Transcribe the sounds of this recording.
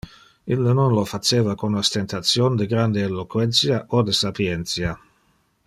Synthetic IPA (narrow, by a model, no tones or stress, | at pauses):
ilːnonlofat͡ʃeːvakonast̪ent̪at̪sjond̪eɡɾand̪eelokwɛnt̪sjaʔod̪esapjent̪sja